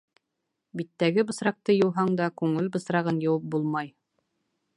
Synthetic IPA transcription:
bit̪ːæɡɘbɤ̆sɾɑq̚t̪ɤjɤ̆wɦɑɴd̪ɑkʉŋɘlbɤ̆sɾɑʁɤnjɤ̆wɤp̚bulˠmɑj

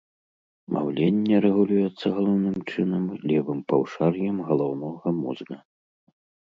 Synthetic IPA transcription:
mʔa̰wlʲenʲːɛɾɛɣulʲujɛt̪sːɐɣɐlˠɔwnɨmt͡ʂɨnɐmlʲɛvɨmpɐwʂarjɐmɣɐlˠɔwnɔɣɐmuzɣɐ

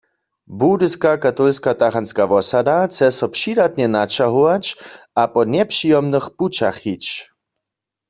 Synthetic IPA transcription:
budɨskakat̪ɔlskat̪axanskaʋɔsadat͡sɛsɔpʂidat̪ɲɛnat͡ʃaɦuwat͡ʃ | apɔnɛpʂijɔmnɨxput͡ʃa̰xhit͡ʃ

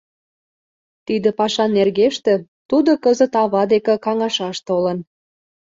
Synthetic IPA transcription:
t̪id̪ə̆pɑʃɑnːerɣeʃt̪ĕ | t̪ud̪okəzə̆t̪ɑβɑd̪ekĕkɑŋɑʃɑʃt̪olən

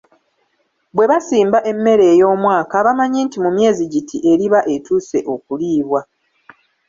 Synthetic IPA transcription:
βwe̞βasiːmbaʔe̞mːe̞ɾe̞ːjo̞ːmwaːkaːβamaɲintimumje̞ːziɟitʰiʔe̞ɾiβaʔe̞tuːse̞ʔo̞kuliːβwa

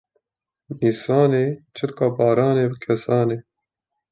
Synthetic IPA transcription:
niːsɑːneːt͡ʃʰɨt̪kaːbɑːɾɑːneːbəkʰɛsɑːneː

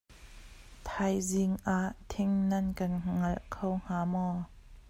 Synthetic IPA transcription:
t̪ʰajzɪŋʔaːʔt̪ʰɪŋnɐnkɐnŋɐlkʰowŋ̥aːmɔː

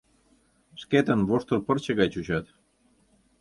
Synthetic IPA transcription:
ʃket̪ənβoʃt̪ə̆lpərt͡ɕə̆ɣɑjt͡ɕut͡ɕɑt̪

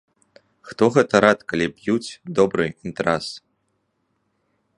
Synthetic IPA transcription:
xt̪ɔɣɛt̪ɐɾat̪kalʲibjut͡sʲd̪ɔbɾɨint̪ɾas

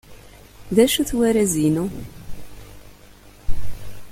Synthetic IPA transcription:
ðæʃuθwæɾæzinu

